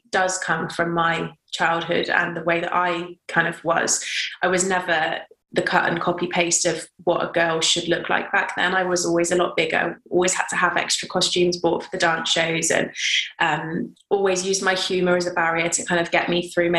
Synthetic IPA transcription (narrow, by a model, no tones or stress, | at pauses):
d̥ʌz̥kʰʌ̃ɱfɹə̃mːaɪt͡ʃʰaɪlˠd̚ɦʊ̰də̰̃nðəweɪðə̰ɾa̰ɪkʰãɪ̃ndʌvwʌ̰z̥ʔaɪwɒznɛvə | ðəkʰʌ̰tə̰̃nkʰɒpipʰeɪstəvwɒtə̰ɡɜːlˠʃədˡlʊkʰla̰ɪk̚b̥ak̚ðə̰̃naɪwɒzɔlˠwizəlɔ̰ʔ̚b̥ɪɡə̰a̰ɪɔ̰ːlˠwiz̥həd̚tʰəəvɛ̰kstɹ̥əkʰɒst͡ʃʉ̃mzbɔˑtfəðədɑ̃ˑnsʃəʊzə̰̃nʔʌ̃m | ɔːlˠwizjʉːzmaɪhjʉːməɹəzəbaɹiətʰə̥kʰãɪ̃ndəvɡɛʔmiθɹʉːm